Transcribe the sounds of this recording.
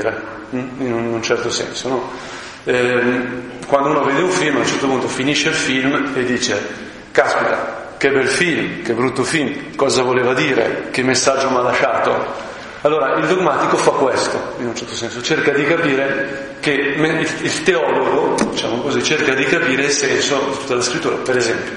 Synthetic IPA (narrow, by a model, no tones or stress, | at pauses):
ɾe | inununt͡ʃɛrt̪osɛ̰nsonɔ | kwand̪ounoveːd̪euɱfilmalt͡ʃɛrt̪opunt̪ofiniʃːelfilmed̪ːiːt͡ʃe | kaspit̪a̰ | kebːɛlfilmkebːɾut̪ːofilmkɔːzavoleːvad̪iːɾḛk̟emːesːad͡ʒːomalːaʃaːt̪o | alːoːɾaʔild̪oɡmat̪ikofakːwest̪oinunt͡ʃɛɾt̪osɛnsot͡ʃerkad̪ikapiːɾe | kemeiilt̪eɔloɡod̪it͡ʃa̰ːmokozit͡ʃerkad̪ikapiːɾeilsɛnsod̪it̪u̥t̪ːalaskɾit̪ːuːɾapeɾezɛmpjo